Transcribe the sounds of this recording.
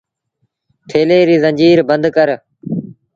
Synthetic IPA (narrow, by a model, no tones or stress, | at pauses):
ʈ̪ʰeːleːɾiːzə̃nd͡ʒiːɾbənd̪kəɾ